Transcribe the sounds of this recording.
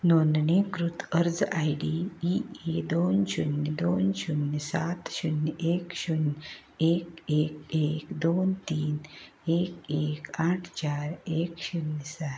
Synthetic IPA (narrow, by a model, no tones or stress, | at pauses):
noːnd̪nekɾut̪ʰəɾd͡zaːiɖiːied̪oːnʃunːəd̪oːnʃunːsat̪ɕunːeːkʃun | eːkeːkeːkd̪oːnt̪iːn | eːkeːkaːʈʰt͡ʃaːɾeːkɕunːəsat̪